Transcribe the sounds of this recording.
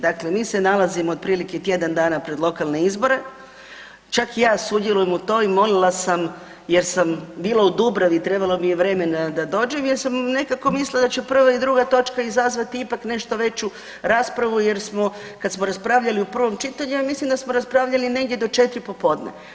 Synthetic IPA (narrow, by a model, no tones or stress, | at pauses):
d̪akle̞miːsenalazimood̪̚pɾiːliket̪je̞d̪and̪aːnapɾe̞d̪lˠo̞kalˠne̞izbo̞ɾe̞ | t͡ʃakijaːsud̪jelujemut̪o̞ːimo̞lilˠasam | je̞ɾsambiːlˠaud̪ubɾaʋit̪ɾe̞balˠomijeʋɾe̞ːme̞nad̪ad̪o̞ːd͡ʒemjeɾsamne̞kako̞mislilad̪at͡ɕupr̩ʋaid̪ɾuːɡat̪o̞t͡ʃkaizazʋat̪iipakne̞ʃt̪o̞ʋe̞t͡ʃu | ɾaːspɾaʋuje̞ɾsmo̞ | kad̪smoɾaspɾaʋʎaliupr̩ʋo̞mt͡ʃit̪aɲuamislimd̪asmoɾaspɾaʋʎaline̞ɡdjed̪o̞t͡ʃe̞t̪ɾipo̞po̞ːd̪nḛ